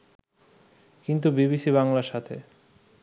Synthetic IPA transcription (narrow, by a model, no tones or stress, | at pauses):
kint̪ubiβisiβaŋlaɾʃat̪ʰe